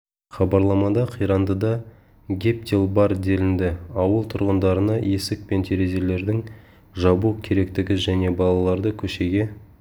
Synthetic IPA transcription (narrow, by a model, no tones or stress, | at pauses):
χɑbɑɾlˠɑmɑd̪ɑqʰijɾɑnd̪əd̪ɑ | ɡʲe̞p̚t̪ʲilˠbɑɾd̪e̞lɪnd̪ɪɑwəlˠt̪ʰʊɾʁənd̪ɑɾənɑje̞sɪk̚pe̞nt̪ʰe̞ɾe̞ze̞le̞ɾd̪ɪŋ | ʒɑbukʲʰe̞ɾe̞k̚t̪ɪɡʲɪʒæne̞bɑlˠɑlˠɑɾd̪əkʲʰɵʃe̞ɡʲe̞